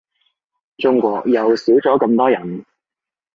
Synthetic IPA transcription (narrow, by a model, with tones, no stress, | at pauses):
t͡ʃʊ˥ŋkʷɔː˧k̚jɐ˨wsiː˨˥wt͡sɔː˨˥kɐ˧mt̪ɔː˥jɐ˨˩n